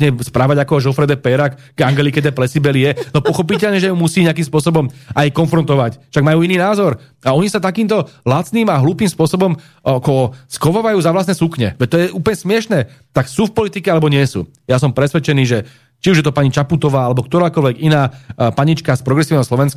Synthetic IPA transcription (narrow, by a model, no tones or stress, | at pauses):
ɲɛspɾaːʋaɟakɔʒɔfɾɛd̪ɛpɛɾak | ɡaŋɡɛlikɛd̪ɛplɛsibɛlijɛnɔpɔxɔpicɛlɲɛʒɛjumusiːɲɪak̬imspʊɔsɔbɔmajkɔnfɾɔnt̪ɔʋacfʃaɡ̚majuːiniːnaːzɔɾaɔɲisat̪akiːmt̪ɔlat͡sniːmaɦluːpiːmspɔsɔbɔm | kɔɔskɔʋɔʋajuːzaʋlas̬nɛːsukɲɛ̰ʋɛc̚t̪ɔjɛʔuːplɲɛsmɪɛʃnɛːt̪aksuːfpɔlit̪ikɛalɛbɔɲɪɛsṵː | jasɔmpɾɛsʋɛt͡ʃɛniːʒɛ | t͡ʃiuʒjɛt̪ɔpaɲit͡ʃaput̪ɔʋaːalɛbɔkt̪ɔɾaːkɔlʋɛɡinaːpaɲit͡ʃkaspɾɔɡɾɛsiːʊnɛɦɔslɔʋɛnsk